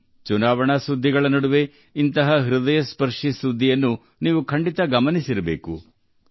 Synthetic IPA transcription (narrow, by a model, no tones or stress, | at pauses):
t͡ʃunaːʋɐɳɐsud̪ʱːiɡɐɭɐnɐɽuʋe̞ | int̪ɐɦɐɦiɾud̪ɐjɐspɐɾʂisud̪ʱːijɐnːu | niːʋukʰɐɳɖit̪ɐɡɐmɐnisiɾɐbeːkṵ